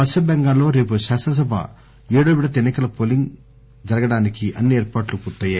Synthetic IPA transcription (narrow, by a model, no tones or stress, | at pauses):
ɐʃɐbɛŋɡaːlo̞ːɾe̞ːp̬uʃaːsɐnɐs̬ɐbʱa̰ | eːɽoːʋiɽɐt̪enːikɐlɐpoliŋɡ | d͡ʒɐɾɐɡɐɽaːnikiʔɐnːieːɾpaːʈlukuɾt̪ːɐːjaː